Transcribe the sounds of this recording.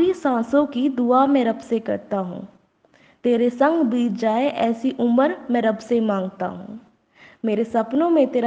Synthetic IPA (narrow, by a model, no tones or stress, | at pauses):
ɾisãːsõkid̪uamɛ̃ːɾɐbsekɐ̰ɾt̪aɦṵ̃ː | t̪eːɾesɐ̃ŋɡbiːtʰd͡ʒaːeʔɛːsiʔʊməɾmɛ̃ːɾɐbsemãːŋɡt̪a̰ɦṵ̃ː | meːɾesɐpnõmẽt̪eːɾ